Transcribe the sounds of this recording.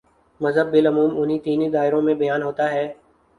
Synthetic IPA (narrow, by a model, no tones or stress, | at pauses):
mɐzɦəbːɪlɐmuːmʊnɦit̪iːnid̪aːɪɾõmẽbɐjaːnɦoːt̪aɦɛː